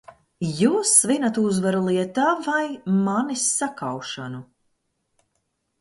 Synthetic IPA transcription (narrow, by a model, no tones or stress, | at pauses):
juːsvinat̪uzvaɾulˠiɛt̪aːvajmanisːakawʃanu